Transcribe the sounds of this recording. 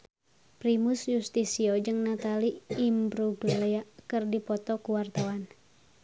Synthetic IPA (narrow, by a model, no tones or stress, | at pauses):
pɾimusjust̪isiɔd͡ʒɨŋnat̪aliːmbɾubileakɨrdipɔt̪ɔkuwart̪awan